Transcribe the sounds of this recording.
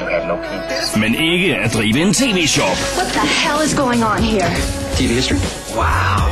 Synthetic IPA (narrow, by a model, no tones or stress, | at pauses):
ɨvnoʊkʰĩtsmɛ̃nʔɪɡəədɾivɪ̃ntʰiviʃɔpwʌt̪̚ðəhɛlˠɨzɡoʊɪ̃ŋə̃nɦiɹ | tʰivihɪstɹ̥i | wa̰ʊ